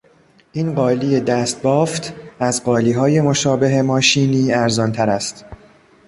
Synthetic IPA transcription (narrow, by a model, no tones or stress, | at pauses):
ʔiːnɢɒːliːjed̪æst̪̚bɒːft̪ʰæzɢɒːliːɦɒːje̞mo̞ʃɒːbe̞ɦemɒːʃiːniːæɾzɒːnt̪ʰæɾæst̪